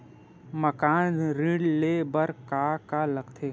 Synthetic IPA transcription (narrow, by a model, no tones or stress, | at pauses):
məkaːnɾĩɽlebəɾkaːkaləɡt̪ʰeː